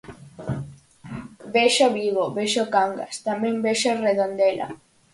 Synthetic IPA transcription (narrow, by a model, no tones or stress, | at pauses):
beʃoβiɣoβeʃokaŋɡa̰st̪amẽŋbeʃoreðond̪ela̰